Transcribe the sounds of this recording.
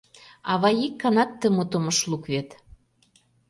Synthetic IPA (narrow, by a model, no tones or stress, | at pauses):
ɑβɑjikːɑnɑk̚t̪əmot̪oməʃlukβet̪